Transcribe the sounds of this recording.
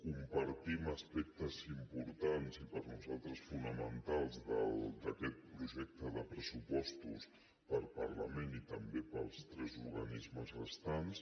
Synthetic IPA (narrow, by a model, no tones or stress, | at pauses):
kumpəɾt̪iməspɛk̚t̪əzimpuɾt̪anzipəɾnuzalˠt̪ɾəsfunəmənt̪alˠzðə̰ld̪əkɛt̪̚pɾuʒɛk̚t̪əðəpɾəsupɔst̪us | pəɾpə̰ɾlə̰menit̪əmbepəlˠst̪ɾɛzuɾɣənizməzə̰st̪ans